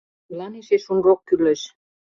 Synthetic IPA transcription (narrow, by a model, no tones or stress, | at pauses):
mlɑniʃeʃunrokkyleʃ